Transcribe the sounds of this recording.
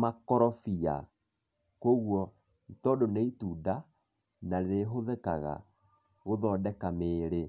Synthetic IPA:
makɔɾɔfia̰ | koɣwɔ | tɔdoneituda | naðeɦoðɛkaɣa̰ | ɣoðɔːdɛkameːɾe

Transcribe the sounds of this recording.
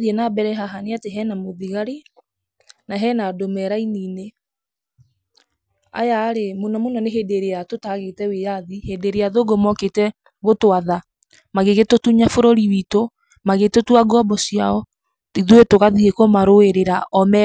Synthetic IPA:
ðiɛnabɛɾɛɦaɦaneateɦɛnamoðiɣaɾe | naɦɛnadomɛɾainiːne | a̰jaːɾemonɔmonɔneɦedeɾejatotaɣetɛwejaðihedeɾeaðoɡomɔketɛ | ɣotwaða | maɣeɣetotuɲafoɾoɾiwito | maɣetotuaɡɔbɔsiaɔ | iðuetoɣaðiekomaɾoeɾeɾaʔɔmɛ

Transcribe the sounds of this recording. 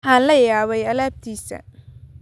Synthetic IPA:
ħaːnlɐjaːβɛjɐlaːb̚t̪ʰiːsɐ̰

